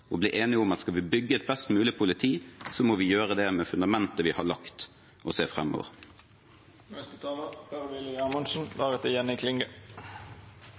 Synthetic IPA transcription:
ɔbliːʔeːnɪʊmɑt̪skɑlʋɪbʏɡːəɛt̪̚bɛst̪mʉːlɪpʰʊlɪt̪ʰiːsɔmɔʋɪjøːɾəd̪ɛmɛfʉnd̪ɑmɛnt̪əʋɪhɑɭɑkt̪ | ʔɔseːfʁɛ̰mːo̰ːʋə̰ʁ | nɛst̪ət̪ʰɑːləpʰæʁʋɪlɪɑmʊnʃn̩ʋɑːʁət̪əjɛnɪkʰlɪŋɡə

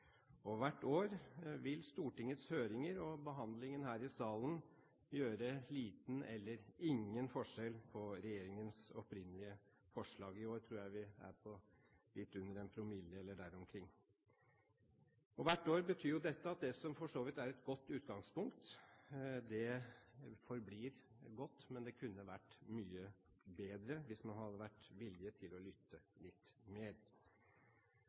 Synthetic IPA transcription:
ɔʋæʈːoːɾʋɪlst̪uːʈɪŋːət̪shøːɾɪŋəɾɔbəɦɑnd̪lɪŋənhæːɾɪsɑːlən | jøːɾəliːt̪n̩ɛ̰lːəɾɪŋːənfɔʂɛlpʰɔɾɛjeːɾɪŋənsɔpɾɪnːəlɪə | fɔʂɭɑːɡɪoːɾt̪ʰɾuːɾjæɪʋɪæ̰ɾpʰɔ | lɪt̪ːʉnːəɾɛnpʰɾʊmɪlːəɛlːəɖæɾɔmkʰɾɪŋː | ɔʋæʈːoːɾbət̪ʰyːɾjʊd̪ɛt̪ːəɑt̪̚d̪ɛsɔmfɔʂoːʋɪt̪æɾɛt̪ɡɔt̪ːʉːt̪ɡɑŋspʰʊŋkt̪ | d̪ɛ | fɔɾbliːɾ | ɡɔt̪ːmɛnd̪ɛkʰʉnːəʋæʈːmyːə | beːd̪ɾəʋɪsmɑnɦɑd̪ːəʋæʈːʋɪlɪət̪ʰɪlɔlʏt̪ːəlɪt̪ːmeːɾ

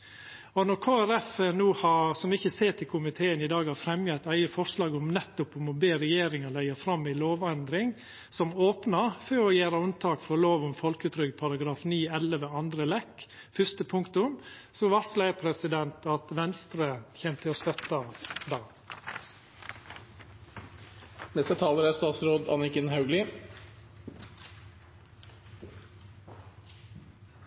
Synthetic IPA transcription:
ɔnɔɾkʰoːæɾɛfənuːhɑsɔmɪçəseːʈ̪ʰɪlkʰʊmɪt̪ʰeːənɪd̪ɑːɡhɑɾfɾɛmjɛt̪ːæɪəfɔʂlɑːɡʊmnɛt̪ːʊpʊmɔbeːɾɛjeːɾɪŋɑlæɪəfɾɑmːɪloːʋɑnd̪ɾɪŋ | sɔmoːpnɑfɔːɾɔjæːɾəʉnt̪ʰɑːkfɔɾɔloːʋʊmfɔlkʉt̪ɾʏɡpʰɑɾɑɡɾɑːfniːɛləʋəɑnd̪ɾəlɛkː | fʏst̪əpʰʊŋkt̪ʊmsɔʋɑslæɪpʰɾɛsɪd̪ɛnt̪ʰɑt̪ʋɛnst̪ɾəçeːmt̪ʰɪost̪œt̪ɑd̪ɑː | nɛst̪ət̪ʰɑːləɾæst̪ɑːt̪sɾoːd̪ɑ̰nɪkɪnhɑʉɡlɪ

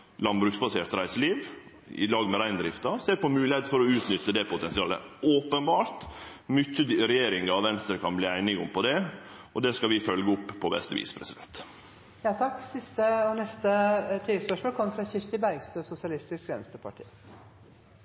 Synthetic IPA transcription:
lɑnbɾʉːksbɑseːɾt̪ɾæɪsəliːʋ | ɪ̰lɑːɡmɛɾæɪnd̪ɾɪft̪ɑseːɾpɔmʉːlɪhɛɪt̪fɔɾɔʉːt̪nʏt̪ːəd̪ɛpʊt̪ɛnsɪɑːlə̰oːpənbɑːɾt̪mʏçːəd̪ɾɛjeːɾɪŋɑʋʋɛnst̪əɾkʰɑnbliːæɪnɪɡʊmpɔd̪ɛ | ʔɔd̪ɛskɑlʋɪfœlɡəʊpːpʰːɔbɛ̰st̪əʋḭːspʰɾɛsɪd̪ɛ̰nt̪ | jɑːt̪ʰɑkːsɪst̪əɔnɛst̪ət̪ʰiːləspœʂmoːlkʰɔmːəfɾɑɕɪft̪ɪbæɾɡst̪øsʊsɪɑlɪst̪ɪskɛnst̪əpʰɑʈʰḭː

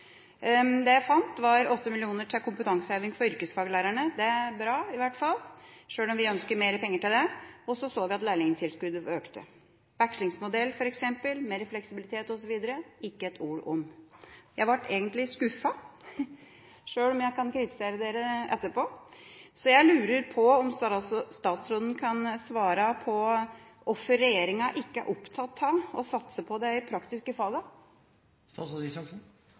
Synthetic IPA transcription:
d̪ɛjæɪfɑnt̪ʋɑɾɔt̪ʰːəmɪlɪuːnəʈʰɪkʰʊmpət̪ʰɑŋsəheːʋɪŋfɔɾʏɾkəsfɑːɡəlæːɾæɳəd̪ɛæɾbɾɑːɪʋæʈfɑlːʂøːlɔmʋɪœnskəmeːɾəpʰɛŋːəʈɪld̪ɛɔsɔsoːʋɪɑt̪læːɭɪŋənt̪ʰɪlskʉd̪əøːkt̪ʰə̰ | ʋækʂɭɪŋsmʊd̪ɛlːfɔɾɛksɛmpəlmeːɾəflɛksɪbɪlɪt̪ʰeːt̪ɔsɔʋiːd̪əɾəɪkːəɛt̪ʰuːɾɔ̰mjæɪʋɑʈːʰeːɡənt̪lɪskʉfɑ | ʂøːlɔmjæɪkʰɑnkʰɾɪt̪ɪ̥seːɾəd̪eːɾəʔɛ̰t̪ːəpoːsɔjæɪlʉːɾəɾpʰɔɔmsst̪ɑːt̪sɾoːd̪ənkʰɑnsʋɑːɾɑpʰɔ | ɔfːəɾɛjeːɾɪŋɑʔɪkːəæ̰ɾʔʊpt̪ʰɑt̪ʰːɑɔsɑt̪səpʰɔd̪ɛɪpʰɾɑkt̪ɪskəfɑlɡɑ | st̪ɑsɔd̪ɪsɑksn

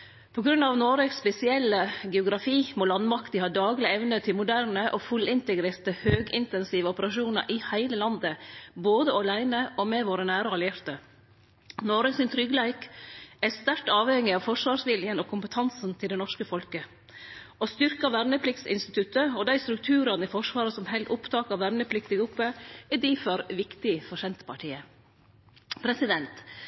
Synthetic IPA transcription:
pʰɔɡɾʉnɑʋnoːɾəksːpɛsɪɛlːəɡɛʊɡɾɑfiːmoːlɑnmɑkt̪ɪhɑːd̪ɑːɡlɪɛʋnət̪ʰɪlmʊd̪æɾnəʔɔfʉlɪnt̪əɡɾeːɾt̪əhøːɡɪ̰nt̪ɛnsiːʋəɔpəɾɑʂuːnə̰ɾʔɪhæɪləlɑnd̪əboːd̪əɑlæɪnəʔɔmɛʋoːɾənæːɾəɑlɪɛɾt̪ə | noːɾəsɪnt̪ʰɾʏɡlæɪkæst̪æɾʈɑːʋhɛŋːɪɑʋfɔʂʋɑːɾʂʋɪljənɔkʰʊmpət̪ʰɑnsn̩t̪ʰɪld̪ɛnɔʂkəfɔlkə | ɔst̪ʏɾkɑʋæɾnəpʰlɪkt̪sɪ̰nst̪ɪt̪ʰʉt̪ːəɔd̪æɪst̪ɾʉk̚t̪ʰʉːɾɑnɪfɔʂʋɑːɾəsɔmɦɛlt̪ʊpt̪ʰɑːkɑɾʋæɾnəpʰlɪkt̪ɪɡʊpːəɪd̪iːfɔɾʋɪkt̪ɪfɔʂɛnt̪ə̥pʰɑʈʰiːə | pʰɾɛsɪd̪ɛnt̪

